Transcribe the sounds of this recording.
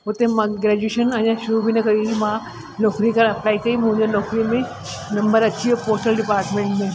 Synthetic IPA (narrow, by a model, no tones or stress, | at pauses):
ɦʊt̪ẽmãɡɾɛːd͡ʑueːʃənɐ̃ɲãʃʊɾubʱinɐkɐɾiimã | nɔːkɾikɐɾɐplaːikɐimʊ̃ɦɲd͡ʑenɔːkɾimẽ | nɐ̃mbəɾɐtːt͡ɕiepoːsʈəlɖɪpaːɾʈmẽːɳʈmẽ